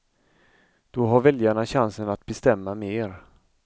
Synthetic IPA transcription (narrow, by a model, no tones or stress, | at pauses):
d̪̥ɔɦaɾvɛljaɳaɕansənat̪̚bɛst̪ɛmːameːɾ